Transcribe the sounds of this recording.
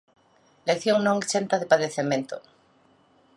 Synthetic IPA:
lekθjoŋnõŋt͡ʃent̪aðepaðeθemẽnt̪o

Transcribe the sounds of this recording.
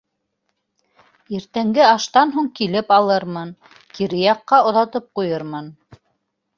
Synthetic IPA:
iɾt̪æŋɡɘɑʃt̪ɑnɦuɴkilɘpɑlˠɤɾmɤn | kiɾɘjɑqːɑŏðɑt̪ɤp̚qujɤɾmɤn

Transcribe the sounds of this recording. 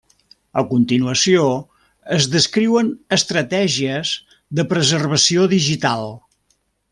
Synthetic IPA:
əkunt̪inuəsio | əzðəskɾiwənəst̪ɾət̪ɛʒiəz | ðəpɾəzərβ̞əsioðiʒit̪alˠ

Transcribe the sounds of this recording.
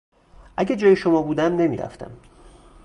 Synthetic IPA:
ʔæɟæd͡ʒɒːjeʃomɒːbuːd̪æmne̞miːɾæ̰ft̪ʰæ̰m

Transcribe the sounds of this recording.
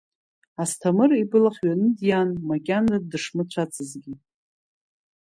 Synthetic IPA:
astʰamɨribɨlaχʲɥanɨdjanmakʲʼanadɨʂmɨt͡ɕʷʰat͡sʰʼɨzɡʲi

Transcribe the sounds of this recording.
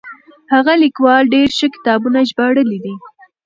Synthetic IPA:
haɣalikwɑlɖeɾʃəkɪ̥t̪ɑbunaʒbɑɽəlid̪i

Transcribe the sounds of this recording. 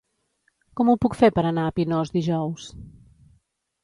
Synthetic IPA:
kɔmupukfepəɾənaəpinɔzd̪iʒɔws

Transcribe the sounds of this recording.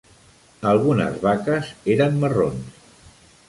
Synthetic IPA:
əlˠɣunə̰zβakəzeɾəmːəro̰ns

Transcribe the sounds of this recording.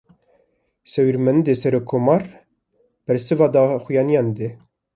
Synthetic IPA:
sɛwiɾmɛnd̪esɛɾokʰːomɑɾ | b̥ɛɾsɨvɑd̪ɑːxujɑːnijɑnd̪e

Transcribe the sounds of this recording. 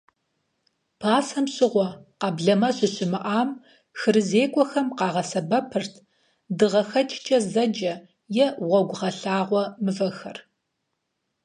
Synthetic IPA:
pʰaːsɐmɕʼɪʁʷɔqɑbɮɐmɐɕɪɕɪmɨʔaːm | xɨɾɨzeːkʷʼɔxɐmqɑːʁɐsɐbɐpʰɨrtʰ | dɨʁɐxɐt͡ʃʼt͡ʃʼɐzɐd͡ʒɐ | jɛʁʷɐɡʷʊʁɐɬaːʁʷɔmɨvɐxɐr

